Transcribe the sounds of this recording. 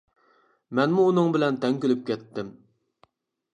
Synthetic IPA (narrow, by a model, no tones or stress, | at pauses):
mɛnmuːnɨŋbɪlɛnt̪ʰɛŋʲkʲølyp̚kʲɛt̪ːɪm